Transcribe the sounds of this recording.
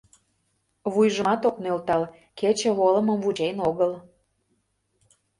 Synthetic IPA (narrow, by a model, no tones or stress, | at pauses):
βujʒəmɑt̪oknølt̪ɑl | ket͡ɕə̆βolə̆məmvud͡ʑejnoɣəl